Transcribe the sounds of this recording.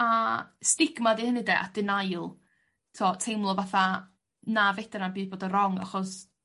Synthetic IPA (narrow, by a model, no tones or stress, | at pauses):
astɪɡmadihənədɛʔa̰d̥ɪnajlˠ | tʰɔtʰejmlˠɔvaθa | navejdananbiːðboːdərɔŋa̰χɔs